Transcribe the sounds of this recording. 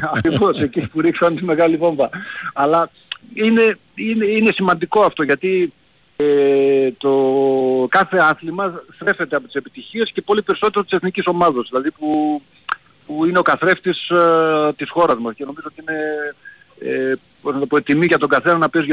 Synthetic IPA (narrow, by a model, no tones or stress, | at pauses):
ɐkɾivo̞se̞cipuɾiksɐnt̪ime̞ɣɐlivo̞ɱbɐɐlɐ | ine̞ | inine̞simɐnd̪iko̞ɐft̪o̞ʝɐt̪i | et̪okɐθe̞ɐθlimɐθtɾe̞fe̞t̪e̞ɐpo̞t̪ise̞pit̪içie̞sce̞po̞lipe̞ɾiso̞t̪e̞ɾot̪i̥seθniciso̞mɐðɐzðilɐðipu | puine̞o̞kɐθɾe̞ft̪ist̪isxo̞ɾɐzmɐsce̞no̞mizoot̪iine̞ | e | poznɐt̪opot̪imiʝɐt̪o̞ɡɐθe̞nɐnɐpezʝɐ